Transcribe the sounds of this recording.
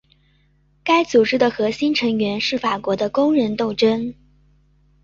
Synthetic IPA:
ka˥ɪt͡su˨˩ʈ͡ʂɻ̩˥d̪ə˨xɤ˧˥ɕi˥nʈ͡ʂʰɤ˧˥ŋɥɛ˧˥nʂɻ̩˥˩fa˨˩kwɔ˧˥d̪ə˧kʊ˥ŋɻə˧˥nt̪o˥˩ʊʈ͡ʂə˥n

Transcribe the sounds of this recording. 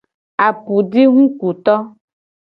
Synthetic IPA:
a˨pu˨ɖe˦ŋũ˦ku˨t̪ɔ˦

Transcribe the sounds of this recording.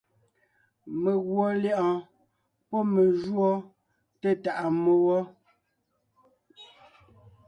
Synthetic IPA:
me˨ɣwɔ˨ljɛ˦ʔɔ̃˨ | pɔ˦me˨ʒwɔ˦ | te˦ta˨ʔa˨mo˨wɔ˦

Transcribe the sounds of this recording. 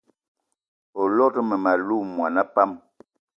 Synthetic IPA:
o˨lɔ˦tə˦mə˨ma˨lu˦˨mwa˨na˦pa˦m

